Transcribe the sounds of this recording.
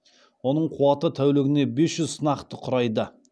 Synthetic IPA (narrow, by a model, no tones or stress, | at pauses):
wo̞nəɴqʰʊwɑt̪ət̪ʰæwleɡʲɪne̞be̞sʒʏzsənɑqt̪əqʰʊɾɑjd̪ə